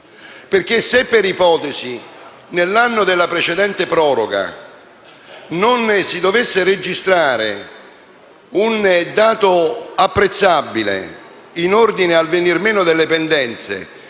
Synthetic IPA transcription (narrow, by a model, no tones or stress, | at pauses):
perk̟esːepːeɾipɔːt̪ɛzi | nelːanːod̪elːapɾet͡ʃed̪ɛnt̪epɾɔːɾoɡa̰ | nonsid̪ovesːered͡ʒist̪ɾaːɾe | und̪aːt̪oapːɾet̪sːabːilḛ | inord̪inealvenirmeːnʊd̪elːepɛnd̪ɛnt̪sḛ